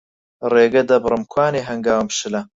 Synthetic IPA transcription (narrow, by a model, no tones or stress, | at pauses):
reːɡɐd̪ɐbɨrɨmkʰwaːneːɦɐŋɡaːwmʃɨlɐ